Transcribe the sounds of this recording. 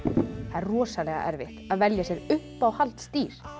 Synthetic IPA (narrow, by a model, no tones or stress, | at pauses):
θaðɛrrɔːsalɛɣa̰ʔɛɾvɪht̪aðvɛljasjɛɾʏhpawhalt̪st̪iːɾ̥